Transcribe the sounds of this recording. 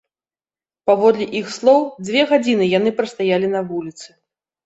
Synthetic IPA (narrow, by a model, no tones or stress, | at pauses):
pavɔd̪lʲiʔixslˠɔwd͡zʲvʲɛɣad͡zʲinɨjan̪ɨpɾɐst̪ajalʲinɐvulʲit̪sɨ